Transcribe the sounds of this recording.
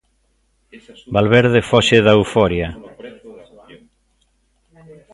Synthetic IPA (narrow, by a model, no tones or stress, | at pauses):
balβɛɾðefɔʃeðaufɔɾja